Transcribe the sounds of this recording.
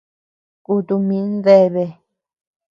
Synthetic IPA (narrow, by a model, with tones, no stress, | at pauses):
ku˧t̪u˧mĩ˧˦nd̪e˦˧βe˧